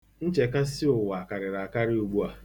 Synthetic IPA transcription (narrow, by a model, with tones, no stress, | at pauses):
n̩˦t͡ʃe˨ka˦sɪ˦ʊ˨wa˨ka˨ɾɪ˨ɾa˨a˨ka˦ɾɪ˦u˨ɡ͡bu˦a˨